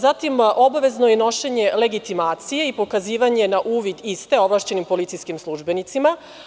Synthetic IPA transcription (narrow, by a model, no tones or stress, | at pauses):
zat̪imʔo̞baʋe̞znojeno̞ʃeɲe̞le̞ɡit̪imaːt̪sije̞ipo̞kaziːʋaɲe̞naʔuːʋid̪ist̪e̞o̞ʋlˠaʃt͡ɕe̞nimpo̞lit̪sijskimslˠuʒbe̞nit̪sima